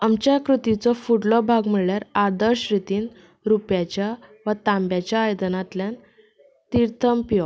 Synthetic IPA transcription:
amt͡ɕjakɾut̪it͡sɔfuʈlɔbʱaɡm̤iɭɭjaɾad̪əɾɕɾit̪iːn | ɾupjat͡ɕjaʋət̪ãmbjat͡ɕjaːjd̪ənat̪ljan | t̪iɾt̪ʰəmpijɔ

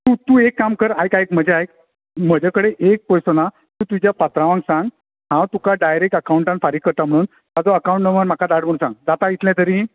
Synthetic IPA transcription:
t̪ut̪uekːamkəɾajkajk̚m̤əd͡ʑeajk̚ | m̤əd͡ʑʱakəɽeʔek̚pɔjsəna | t̪ũt̪ud͡ʑjapat̪ɾaʋãŋɡsãŋɡ | ɦãwt̪ukaɖajɾek̚ʈəkauɳʈãnfaɾikːəɾt̪am̤əɽ̃uːn | t̪ad͡zoəkawũɳʈnəʋəɾm̤akʰad̪aɽm̤əɽ̃ũnsãŋɡ̚d͡zat̪ait̪ljãt̪əɾĩ

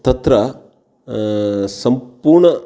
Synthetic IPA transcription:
t̪ɐt̪ɾɐ | sɐmpuːɾɳɐ

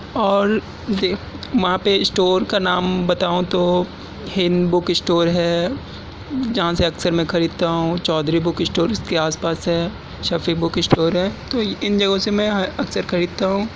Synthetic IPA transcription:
ɔːɾ | d̪e | ʋɐɦãpeɪsʈoːɾkanaːmbɐt̪aːũt̪o | hɪnd̪bʊkɪsʈoːɾɦɛː | d͡ʒɐɦãseɐksəɾmɛ̃kʰɐɾiːd̪̚t̪aɦũt͡ʃɔːd̪ɾibʊkɪsʈoːɾɪstkeaːspaːsɦɛː | ʃɐfikbʊkɪsʈoːɾɦɛːt̪oɪnd͡ʒɐɡõsemɛ̃ɦɐksəɾkʰɐɾiːd̪̚t̪aɦũː

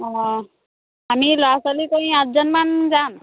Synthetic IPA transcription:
ɔ | amilɔasɔlikoĩat̪̚zɔnmanzan

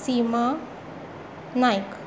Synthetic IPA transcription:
sima | najk

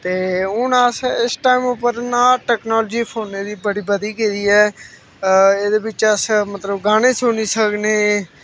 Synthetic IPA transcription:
t̪eːʊnəsɪsʈaːimʊpəɾnãːʈɛːknɔːld͡ʒiːpʰoːneːd̪iːbəɽiːbəd̪iːkeːd̪iːɛː | eːd̪eːbɪt͡ʃəsmət̪ləbɡaːɽ̃eːsoːniːsəkneː

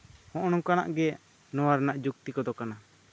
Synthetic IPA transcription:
hɔ̃ʔɽ̃ɔ̃ŋkana̰ʔɡɛ | nɔwaɾnaʔd͡ʒuk̚t̪ikɔd̪ɔkana

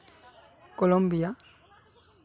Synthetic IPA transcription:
kɔlombija

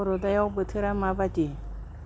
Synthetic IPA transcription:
ɾod̪ajawbɯt̪ʰɯɾamabati

